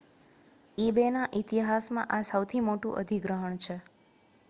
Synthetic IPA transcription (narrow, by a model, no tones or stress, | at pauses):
ebenaʔit̪iɦasmã̰ʔasəwt̪ʰimoʈũʔə̰d̪ʱiɡɾəɦəɳ̃t͡ʃʰe